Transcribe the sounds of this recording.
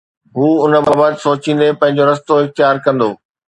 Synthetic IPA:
ɦuːʊnə̆baːbaːt̪soːt͡ɕĩːn̆d̪epɐ̃ɦɪ̃ɲd͡ʑoɾɐst̪oɪxt̪jaːɾkɐ̃nd̪oː

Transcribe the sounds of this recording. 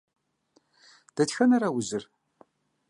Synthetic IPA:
d̥ɐtxɐnɐɾɐwʊzɨr

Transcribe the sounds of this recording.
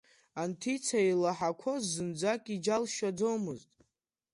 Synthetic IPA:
antʰit͡sʰailaħakʷʰozːɨnd͡zakʼid͡ʒalʃad͡zo̞mɨztʼ

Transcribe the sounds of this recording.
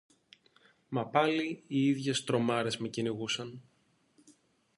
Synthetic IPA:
mɐpɐliiiðʝe̞st̪ɾo̞mɐɾe̞zme̞ciniɣusɐn

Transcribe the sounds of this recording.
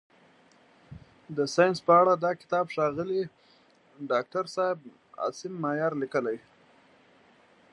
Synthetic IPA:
d̪əsɑjɪnspəaɽad̪ɑkɪ̥t̪ɑbʂɑɣəli | ɖɑk̚ʈaɾsɑɪb̚ | ɑ̰sɪmːajɑɾlikəlaj

